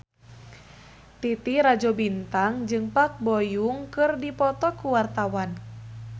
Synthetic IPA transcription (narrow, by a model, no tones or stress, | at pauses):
t̪it̪iɾad͡ʒɔbint̪aŋd͡ʒɨŋpak̚bɔjuŋkɨrdipɔt̪ɔkuwart̪awan